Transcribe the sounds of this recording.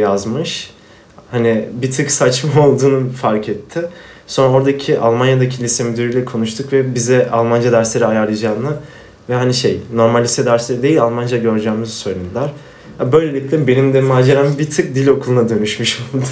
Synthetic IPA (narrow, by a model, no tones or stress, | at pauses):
jazmɯʃ | hanibit̪ʰɯksat͡ʃmao̞lˠd̪uːnufaɾkʰɛt̪ʰːɪso̞nɾao̞ɾd̪acʰiʔalˠmanjad̪acʰilʲisemyd̪yɾijlʲɛkʰo̞nuʃt̪ʰukvɛbizɛʔalˠmand͡ʒad̪æɾslʲe̞ɾiajaɾlˠad͡ʒaːnˠa | vɛɦaniʃejno̞ɾmalʲːisɛd̪æɾslʲeɾid̪e̞jilʲalˠmand͡ʒaɟø̞ɾd͡ʒɛːmizsøjlʲed̪ilʲæɾ̥ | jabø̞jlʲe̞lʲicʲlʲɛbe̞nimd̪ɛmaːd͡ʒe̞ɾambit̪ʰɯk̚d̪ilʲo̞kʰulˠunad̪ø̞nyʃmyʃolˠud̪ʊ̥